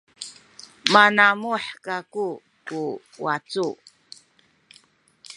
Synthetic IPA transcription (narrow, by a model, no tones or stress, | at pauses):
manamuħkaku | ku | wa̰t͡su